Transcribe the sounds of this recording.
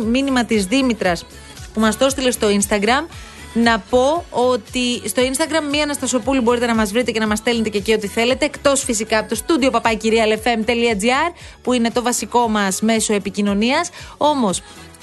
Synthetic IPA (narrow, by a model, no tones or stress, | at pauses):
minimɐt̪izðimit̪ɾɐs | pumɐsto̞st̪ile̞st̪o̞inst̪ɐɡɾɐm | nɐpo̞o̞t̪ist̪o̞inst̪ɐɡɾɐmːiɐnɐst̪ɐso̞pulibo̞ɾit̪e̞nɐmɐzvɾit̪e̞ce̞nɐmɐst̪e̞lnet̪e̞ce̞cio̞t̪iθe̞le̞t̪e̞ːkt̪o̞sfisikɐɐpot̪ost̪ud̪io̞pɐpɐciɾiɐlefe̞mt̪eliɐd͡ziɐɾpuine̞t̪o̞vɐsiko̞mɐsme̞so̞e̞picino̞niɐso̞mo̞s